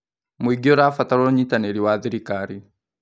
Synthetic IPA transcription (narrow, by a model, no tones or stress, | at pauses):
mwiɡioɾafataɾoɲitaneɾiwaðiɾikaɾi